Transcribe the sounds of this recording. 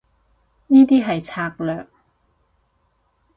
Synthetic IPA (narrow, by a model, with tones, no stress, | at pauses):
niː˥t̪iː˥ɦɐ˨jt͡sʰaː˧k̚lœː˨k̚